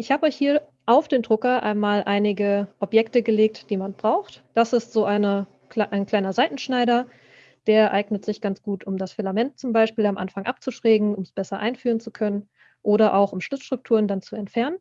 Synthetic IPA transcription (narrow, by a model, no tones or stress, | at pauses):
ʔɪçhaːbəɔʏçhiːɐ | ʔaʊfd̥eːndʁʊkɐʔa̰ɪnmaːlʔaɪnɪɡəʔɔpjɛktəɡəleːk̚td̥iːmanb̥ʁaʊxtd̥asɪstz̥oːʔaɪnə | klaʔaɪnkl̥aɪnɐzaɪtn̩ʃnaɪɾɐ | d̥eːɐɛʔaɪɡnətz̥ɪçɡ̥ant͡sɡ̥uːtʰʊmdasfɪlamɛnt̚t͡sʊmbaɪʃpiːlamʔa̰nfaŋʔa̰p̚t͡suʃʁ̥ɛːɡŋ̩ʊmsb̥ɛsɐʔa̰ɪnfyːʁənt͡sukʰœnən | ʔoːɾɐʔaʊxʊmʃlɪt͡sʃtʁ̥ʊk̚tʰuːʁəndant͡suɛntfɛɐnən